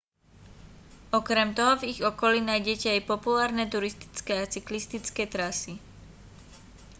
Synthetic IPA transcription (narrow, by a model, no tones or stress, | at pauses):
ɔkɾɛmt̪ɔɦɔviɣɔkɔlinajɟɛcɛajpɔpulaːɾnɛt̪uɾist̪i̥t͡skɛat͡siklist̪it͡skɛt̪ɾasi